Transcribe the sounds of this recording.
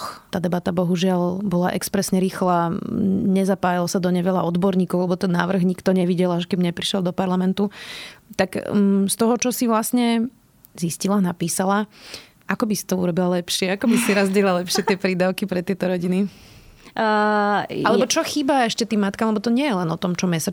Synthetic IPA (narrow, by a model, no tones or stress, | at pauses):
xt̪aːd̪ɛbat̪abɔɦuʒɪalbɔlaʔɛ̰kspɾɛsɲɛɾiːxla | ɲɛzapaːjalɔsad̪ɔɲɛʋɛʎaɔd̪bɔɾɲiːkɔʊlɛbɔt̪ɛnːa̰ːʋr̩ɣɲikt̪ɔɲɛʋiɟɛlaʃkɛbɲɛpɾiʃɛlˠd̪ɔpaɾlamɛnt̪ut̪akst̪ɔɦɔt͡ʃɔsiʋlasɲɛ | ziscilanapiːsala | akɔbisi̥t̪ɔuɾɔbilalɛpʃɪɛakɔbisiɾazɟɛlalɛpʃɪɛt̪ɪɛpɾiːd̪aʊkipɾɛt̪ɪɛt̪ɔɾɔɟini | alɛbɔt͡ʃɔxiːbaɛʃcɛt̪iːmmat̪kamlɛbɔt̪ɔɲɪɛjɛlɛnɔt̪ɔmt͡ʃɔmɛsa